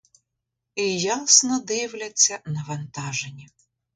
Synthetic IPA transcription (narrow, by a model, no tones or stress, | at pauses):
ijasnɔd̪ɪwlʲɐt͡sʲːɐnɐʋɐnt̪ɑʒenʲi